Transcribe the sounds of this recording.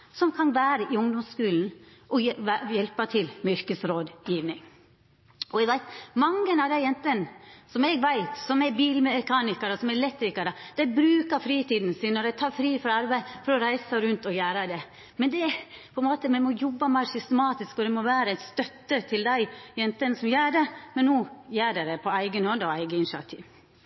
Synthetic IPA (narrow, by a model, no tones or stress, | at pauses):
sɔmkʰɑnʋæːɾəʔɪʊŋd̪ɔmskʉːln̩ | ʔɔjɛlpɑt̪ʰɪlmʏɾkəsɾoːd̪jiːʋnɪŋ | ɔɛɡʋæɪt̪mɑŋːənɑʋd̪æɪjɛnt̪ənsɔmɛɡʋæɪt̪sɔmɛbiːlmɛkʰɑːnɪkəɾəsɔmɛɾlɛt̪ːɾɪkɑɾəd̪̥æɪbɾʉːkəɾfɾiːt̪iːd̪ən̩sɪnːɔɾæɪt̪ʰɑːɾfɾiːfɔɾɑɾbæɪfɔɾɔɾæɪsəɾʉnt̪ɔjæːɾəd̪ɛ | mɛnd̪ɛpʰɔɛnmoːt̪əmɛnmɔjɔbːəmæɪsʏst̪əmɑːt̪ɪskɔd̪ɛmɔʋæːɾəæɪt̪st̪œt̪ːət̪ʰɪld̪æɪjɛnt̪ənsɔmjæːɖɛmɛnːuːjæːɖɛd̪ɛpʰɔæɪɡənhoːd̪əɔæɪɡəɪnʃɑ̰t̪ʰḭːʋ